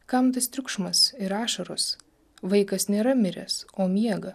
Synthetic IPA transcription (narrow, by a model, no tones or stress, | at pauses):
kɐmt̪ɐst̪ʲɾʲʊkʃmɐsɪɾɑːʃɐɾoːs | ʋɐɪkɐsnʲeːɾɐmʲɪɾʲɛ̰soːmʲiɛɡɐ